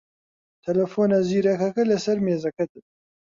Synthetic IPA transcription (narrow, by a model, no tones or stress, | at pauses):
t̪ʰɛlɐfoːnaːziːɾɐkʰɐkɐlɨsɐɾmeːzɐkʰɐt̪ɨ